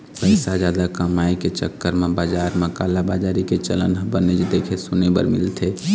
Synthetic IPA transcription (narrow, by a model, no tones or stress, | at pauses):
pəɪsad͡ʒaːd̪akəmaiket͡ʃə̰kːəɾmẽbad͡ʒaːɾməkalabad͡ʒaɾiket͡ʃələ̰nɦbəned͡ʒed̪ekʰesunebə̰ɾmɪ̰lt̪ʰe